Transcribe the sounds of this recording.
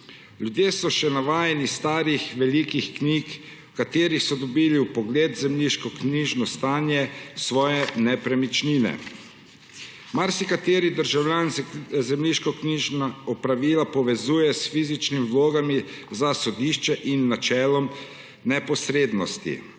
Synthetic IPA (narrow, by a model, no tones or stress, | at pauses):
ljud̪jeːsɔʃɛnaʋaːjɛnist̪aːɾixʋɛlikixkniːk | kat̪eːɾixsɔd̪ɔbiːliwpɔɡleːd̪zɛmliʃkɔkniːʒnɔst̪aːnjɛsʋɔːjɛnɛpɾɛmit͡ʃniːnɛ̰ | maɾsikat̪eːɾid̪əɾʒawlʲjaːnzɛmliʃkɔkiʒnaɔpɾaʋiːlapɔʋɛzuːjɛsfiːzit͡ʃnimiwloːɡamizasɔd̪iːʃt͡ʃɛʔinːat͡ʃɛːlɔm | nɛpɔsɾeːd̪nɔst̪ḭ